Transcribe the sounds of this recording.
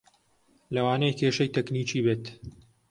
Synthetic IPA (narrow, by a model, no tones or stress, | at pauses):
lɐwaːnejkʰeːʃɐjt̪ɛkniːt͡ʃiːbeːt̪